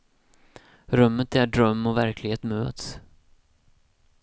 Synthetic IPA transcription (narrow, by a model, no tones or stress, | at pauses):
ɾœmːət̪æɖɾœmːɔvæɾklɪɡheːt̪møːt̪s